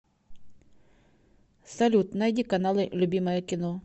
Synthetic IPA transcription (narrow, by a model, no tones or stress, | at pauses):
sɐlʲut̪najdʲikɐnalˠɨlʲʊbʲiməjəkʲɪno